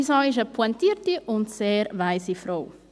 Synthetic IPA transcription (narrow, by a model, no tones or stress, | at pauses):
isɔjʒɐpwɐnt̪iɾt̪iʔʊnt̪sɛɾvajsifɾow